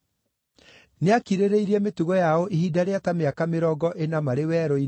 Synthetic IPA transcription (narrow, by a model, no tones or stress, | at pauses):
neakiɾeɾeiɾiɛmetuɣɔjaɔʔihidaɾeatameakameɾɔɡɔʔenamaɾewɛɾɔi